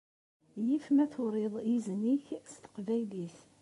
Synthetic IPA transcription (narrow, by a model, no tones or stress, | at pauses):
jifmæθʊɾɪðˤjizniçst̪ə̥qvæjliθ